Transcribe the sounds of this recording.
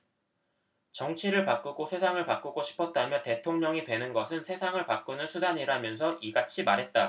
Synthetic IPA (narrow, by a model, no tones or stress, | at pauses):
t͡ɕʌŋt͡ɕʰiɾɯɭpak͈uɡosʰe̞sʰaŋɯɭpak͈uɡoɕʰi̥pʰʌt̚t͈amjʌte̞tʰoŋɲʌŋitwe̞nɯnɡʌsʰɯnsʰe̞sʰaŋɯɭpak͈unɯnsʰudaɲiɾamjʌns̬ʰʌʔiɡat͡ɕʰimaɾɦe̞t̚t͈a